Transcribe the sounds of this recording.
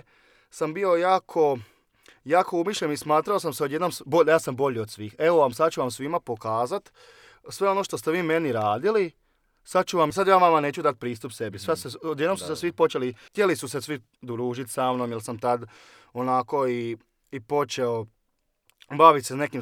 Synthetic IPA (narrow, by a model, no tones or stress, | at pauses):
sambio̞jaːkʰo̞ | jaːkʰo̞umiʃʎenismaːt̪ɾaos̬amseod̪jed̪nomsbojaːsambo̞ʎiod̪sʋiːxe̞ʋo̞ʋamsad̪t͡ʃuʋamsʋimapo̞kaːzat̪ | sʋe̞o̞noʃt̪ost̪eʋiːme̞niɾaːd̪ili | sad̪̚t͡ʃuʋamsad̪jaːʋamaneːt͡ɕud̪at̪̚pɾiːst̪upse̞bisaseod̪jed̪nomsu̥sesʋipo̞t͡ʃelit̪jelisusesʋi | d̪ɾuːʒit̪samnomjilsamt̪ad̪ | onako̞iː | po̞t͡ʃeo | baʋit̪sesne̞kim